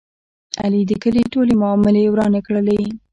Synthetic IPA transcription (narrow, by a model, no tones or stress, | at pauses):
a̰lid̪əkəliʈolemʊɑmɪlewɾɑnekɽəle